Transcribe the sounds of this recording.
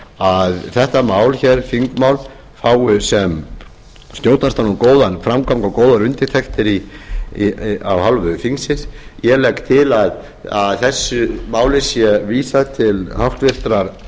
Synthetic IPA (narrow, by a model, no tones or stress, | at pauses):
aðθɛht̪amaːwlçɛɾ̥fiŋkmawl | faːwʏsɛm | st̪jowt̪ast̪anumkoːwðanfɾamkʰamkawkoːwðaɾʏnt̪ɪ̥t̪ʰɛkt̪ɪɾi | a̰whalvʏfiŋsɪsjɛlɛkt̪ʰɪlað | aðθɛsːʏmaːwlɪsjɛviːsat̪ʰɪlhaft̪vɪr̥t̪ɾaɾ̥